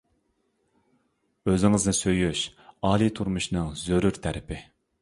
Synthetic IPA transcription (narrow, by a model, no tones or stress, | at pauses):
øzɪŋɨznɪsøjyʃɑːlˠit̪ʰuɾmuʃnɨŋzøɾyɾt̪ʰæɾɪpʰɪ